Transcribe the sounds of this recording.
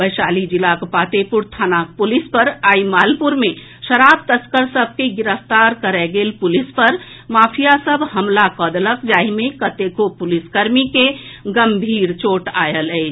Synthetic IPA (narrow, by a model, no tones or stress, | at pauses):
bəsaːlid͡ʒilakopat̪epuɾt̪ʰanak̚pulispəɾaimaːlpuɾme | ʃəɾab̚t̪əskəɾsəb̚ʱkeɡiɾəfʰt̪aɾkəɾɛɡelpulispəɾ | maːpʰijasəbʱhəmlakəd̪ləkd͡ʒaːimekət̪ekopuliskəɾmikeɡəmbʱiːɾt͡ʃoːʈajələɪ